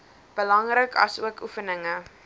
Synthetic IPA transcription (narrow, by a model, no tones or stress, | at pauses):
b̥əlɐŋrəkʰɐ̰suəkʰufənəŋə